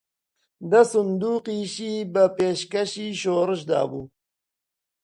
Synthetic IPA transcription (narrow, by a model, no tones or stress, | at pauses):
d̪ɐsʊnd̪uːqiːʃiːbəpeːʃkaʃiːʃoːɾəʃ̬d̪ɑ̰ːbuː